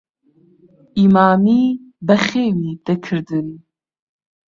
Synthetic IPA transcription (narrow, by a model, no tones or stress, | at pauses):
imaːmiːbɐχeːwid̪̥ɐkʰɨɾd̪ɨn